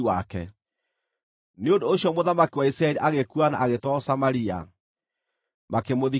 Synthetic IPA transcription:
wakɛ̰ | neondoːɕjɔmoðamakiwaisɾaɛliʔaɣekuana̰ʔːɣetɔsamaɾia̰ | makemoði

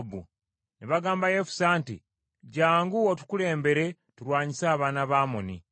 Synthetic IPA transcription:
bṵ | neβaɡaːmbajefu̥saːntḭ | ɟaːŋɡuotu̥kule̞ːmbe̞ɾe̞ | tuɾwaːɲisaːβaːnaβaːmoni

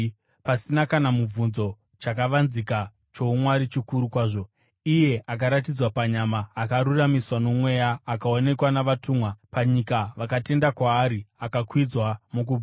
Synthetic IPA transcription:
pasinakanamub͡vunzo̞ | t͡ʃakaʋanzika | t͡ʃo̞umwaɾit͡ʃikuɾukwaːʐo̞ | ije̞ʔakaɾat̬id͡zwapaɲamaːkaɾuramiswano̞mwe̞jaːkao̞ne̞kwanaʋatumwapaɲikaʋakate̞ndakwaːɾiakakwid͡zwamok̬u

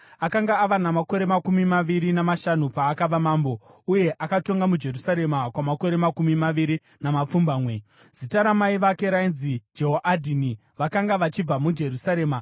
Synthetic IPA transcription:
akaŋɡaːʋanamako̞ɾe̞makumimaʋiɾinamaʃanupaːkaʋamaːmbo̞uje̞ʔakato̞ŋɡamud͡ʒe̞rusaɾe̞makwamako̞ɾe̞makumimaʋiɾi | namap͡fumbaːmwe̞ | z̥itaɾamaiʋake̞ɾainzid͡ʒeɦoʔadʱini | ʋakaŋɡaʋat͡ʃib͡vamud͡ʒe̞ɾusaɾe̞ːma

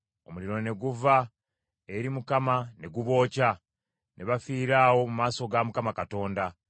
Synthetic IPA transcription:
o̞muliɾo̞ne̞ɡuva | e̞ɾimukamane̞ɡuβo̞ːca | nʔeβafiːɾaːwo̞mumaːso̞ɡamukamakato̞ːnda

